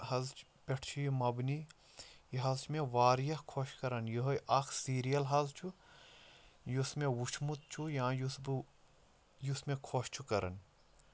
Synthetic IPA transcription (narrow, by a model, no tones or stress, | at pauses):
hɐzt͡ʃ | pʲeʈʰt͡ʃʰujimɐbni | jiɦɐzt͡ʃʰmẽʋaːɾjɐkʰoʃkɐɾɐnjiɦojʔɐkʰsiːɾijɐlɦɐzt͡ʃʰu | jusmẽwut͡ʃʰmut̪̚t͡ʃʰujãjusb | jusmẽkʰoʃt͡ʃʰukɐɾɐ̰n